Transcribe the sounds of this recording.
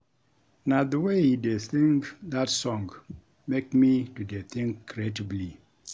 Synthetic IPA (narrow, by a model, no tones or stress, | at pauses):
naðəwehideθĩŋkðatsɔ̃ŋɡ | mekmitudeθĩŋkːɹɛtəbli